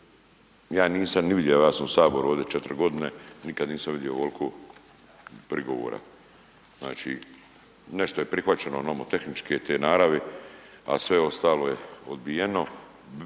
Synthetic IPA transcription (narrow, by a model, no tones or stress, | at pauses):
jaːniːsamniʋid̪jeojaːsamusaːbo̞ɾuoːʋd̪et͡ʃet̪ɾɡo̞d̪ine̞nikad̪niːsamʋid̪jioolkʰo | pɾiɡoʋo̰ːɾa̰ | zna̰ːt͡ʃḭ | ne̞ʃt̪oje̞pɾixʋat͡ɕe̞nonamot̪e̞xnit͡ʃket̪eːnaːɾaʋea̰sʋe̞o̞st̪aːlo̞jeod̪bijeno̞